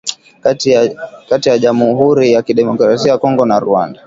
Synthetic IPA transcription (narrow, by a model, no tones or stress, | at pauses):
katijaʄamuɦuɾijakiɗɛmɔkɾasiajakɔŋɡɔnaɾuanda